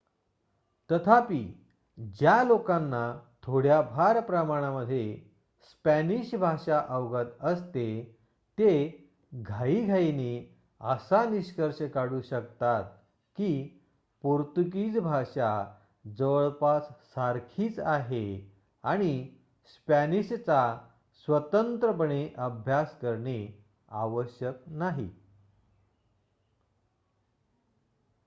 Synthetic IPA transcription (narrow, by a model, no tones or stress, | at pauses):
t̪ət̪ʰapiː | d͡ʑjalokãnːat̪ʰoɽjabʱaɾpɾəmaɽ̃aməd̪ʱːje | spæniɕbʱaɕaʔəʋɡət̪əst̪e | t̪e | ɡʱaiːɡʱaine | əsaniɕkəɾɕəkaɽuːɕəkt̪at̪̚ | ki | puɾt̪uk̬iːt͡sbʱaʂa | d͡zəʋəɭpat͡ssaɾkʰiːt͡saɦe | aɽ̃i | spæniɕt͡sa | sʋət̪ənt̪ɾəpəɳeʔəbʱjaskəɾɳe | aʋəɕjəknaɦḭ